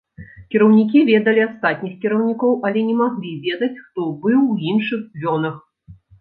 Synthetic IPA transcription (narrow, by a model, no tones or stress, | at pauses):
kʲɛɾɐwnʲik̬ʲivʲɛd̪ɐlʲiast̪at̪̚ʲnʲixkʲɛɾɐwnʲikɔwʔɐlʲɛnʲɛmaɣlʲivʲɛd̪ɐt͡sʲxt̪ɔbɨwinʂɨxvʲɔnɐx